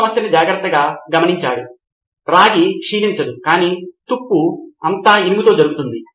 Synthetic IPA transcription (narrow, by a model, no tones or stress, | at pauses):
ɐmɐsjɐnid͡ʒaːɡɾɐt̪ːɐɡaːɡɐmɐniɲt͡ʃaːɽu | ɾaːɡikʂiːniɲt͡ʃɐd̪ukaːniːt̪upːuɐnt̪aːinimut̪o̞ːd͡ʒɐɾuɡut̪und̪i